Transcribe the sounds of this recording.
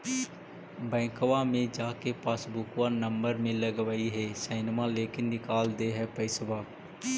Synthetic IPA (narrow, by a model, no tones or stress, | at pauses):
bɛ̃ːkʋamẽd͡ʒaːkepaːsbʊkwanə̃mbəɾmẽləɡʋaːiɦɛsɛːnmaleːkɪnːɪkaːld̪eɦɛpəɪsbaː